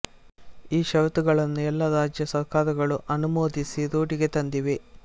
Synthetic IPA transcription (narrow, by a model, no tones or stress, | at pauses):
iːʃɐʋt̪uɡɐɭɐnːuɛlːɐɾaːd͡ʒjɐsɐkaːɾɐɡɐɭuʔɐnumoːd̪isiɾuːʈiɡet̪ɐnd̪iʋe